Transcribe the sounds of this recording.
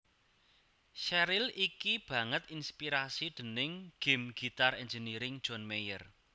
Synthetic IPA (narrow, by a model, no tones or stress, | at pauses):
ʃɛɾɪlikib̥ä̤ŋət̪inspiɾasiɖ̪̥ə̤nɪŋɡ̥e̤mɡ̥i̤t̪arɛnd͡ʒəniɾɪŋ̥ʒ̥ɔ̤nmejər